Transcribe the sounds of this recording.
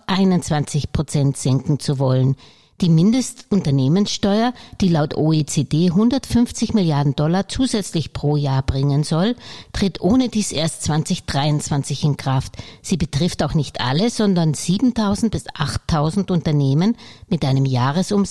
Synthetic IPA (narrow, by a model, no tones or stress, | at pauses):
ʔaɪnʊntt͡sv̥ant͡sɪçpʁ̥ot͡sɛntz̥ɛŋkŋ̩t͡suvɔlən | d̥iːmɪndəstʔʊntɐneːmənsʃtɔʏɐd̥iːlaʊtʔoːeːt͡seːdeːɦʊndɐtfʏnft͡sɪçmɪljaɐdn̩dɔlat͡suːzɛt͡slɪçpʁ̥oːjaːɐbʁɪŋənzɔltʁ̥ɪtʔoːnədiːsʔeːɐstt͡sv̥ant͡sɪçd̥ʁaɪʊnt͡sv̥ant͡sɪçɪnkʁ̥aftz̥iːbətʁ̥ɪftaʊxnɪçtʔa̰ləz̥ɔndɐnz̥iːbm̩tʰaʊzn̩t̚b̥ɪsʔaχtʰːaʊzn̩tʊntɐneːmənmɪtʔaɪnəmjaːʁəsʔʊm